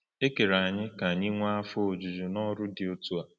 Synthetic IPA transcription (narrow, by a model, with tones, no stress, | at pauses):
e˦ke˨ɾa˨ɲɪ˦ka˨ɲɪ˦ŋʷa˦a˦fʊ˦o˨d͡ʒu˨d͡ʒu˨nɔ˦ɾʊ˦dɪ˨o˦tu˦a˨